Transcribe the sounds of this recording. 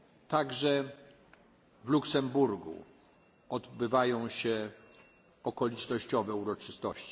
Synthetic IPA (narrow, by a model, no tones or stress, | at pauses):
t̪aɡʐɛ | vluksɛmbuɾɡṵ | ɔd̪bɘvajɔ̃w̃ɕɛ | ɔkɔlʲit͡ʂnɔɕt͡ɕɔvɛuɾɔt͡ʂɘst̪ɔɕt͡ɕi̥